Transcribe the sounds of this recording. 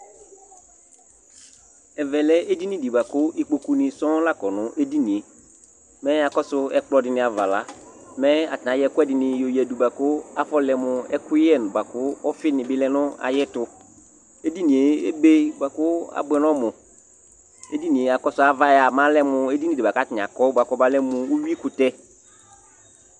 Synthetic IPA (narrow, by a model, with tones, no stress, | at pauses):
ɛ˨vɛ˨lɛ˦e˦di˦nɪ̃˦di˨ba˨kʊ˦ʔɪ˦k͡po˨ku˦nɪ̃˨sɔ̃˦la˦kɔ˨nʊ̃˨˦ʔe˦di˦nĩ˨e˨ | mɛ˦a˨kɔ˦sʊ˦ɛ˦k͡plɔ˦dɪ˨nɪ̃˨a˨va˨la˨˦mɛ˦a˨tnã˨˦jɛ˨˦kʊ˦ɛ˦dɪ˨nɪ̃˨jo˨ji˨ɛ˨du˨ba˨kʊ˦a˦fɔ˦lɛ˨mʊ˨ɛ˦kʊ˦jɛ˦˨n˨ba˨kʊ˦ɔ˦fɪ˦nɪ̃˨bɪ˦lɛ˦nʊ̃˦a̰˨jɛ˦tʊ˨ | e˦di˦nĩ˨e˨ḛ˦be˦ba˨kʊ˦a̰˦bɛ˨n˦ɔ˦mʊ˨ | ḛ˦di˦nĩ˨e˨a˨kɔ˦sʊ˨˦a˨va˦ja˨mã˦lɛ˦mʊ˨e˦di˦ni˨dɪ˨ba˨ka˨˦tɪ˨n˨a̰˨kɔ˦ba˨kɔ˦ba˨lɛ˦mʊ˨u˦wi˦kʊ˨tɛ˦